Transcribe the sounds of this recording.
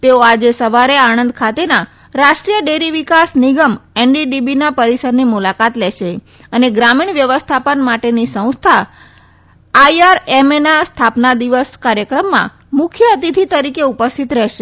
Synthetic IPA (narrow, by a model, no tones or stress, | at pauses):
t̪eoad͡ʒesəʋaɾeañənd̪kʰat̪ena | ɾaʃʈɾijəɖeɾiʋikasniɡəmenɖiɖibinapəɾisəɾnimulakat̪lɛʃe | əneɡɾamiɳʋjəʋəst̪ʰapənmaʈenisə̃w̃st̪ʰa | aiaɾemenast̪ʰapnad̪iʋəskaɾjəkɾəmːã̰ | mʊkʰjəət̪it̪ʰit̪əɾikeupəst̪ʰit̪ɾɛɦʃe